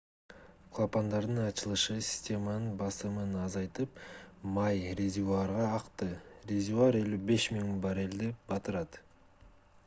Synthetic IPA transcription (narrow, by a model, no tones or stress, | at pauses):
qʰlˠapand̪ɑɾd̪əɴɑt͡ʃəlˠəʃəsʲi̥sʲt̪ʲe̞manənbɑsəmənɑzɑjt̪əpmɑjrezʲiuɑɾʁɑːqt̪əre̞zʲuuaɾe̞lʲube̞smʲiŋbɑɾe̞ld̪ɪb̥ɑt̪əɾɑd̪